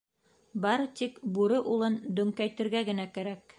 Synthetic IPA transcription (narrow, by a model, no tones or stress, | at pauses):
bɑɾt̪ikbuɾɤʔulˠɤnd̪ɵ̆ŋkæjt̪ɘ̆ɾɡæɡɘ̆nækæɾæk